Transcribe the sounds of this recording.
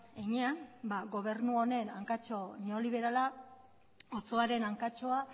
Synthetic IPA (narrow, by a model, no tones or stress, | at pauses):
eɲeanbaɣo̞β̞e̞rnuone̞naŋkat͡ʃo̞neoliβ̞e̞ɾala | ot͡so̞aɾe̞naŋkat͡ʃo̞a